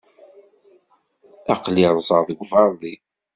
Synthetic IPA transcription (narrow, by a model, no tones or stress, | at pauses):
ɑqliɾˤzˤəɾðˤəɡʷvɑɾˤðˤi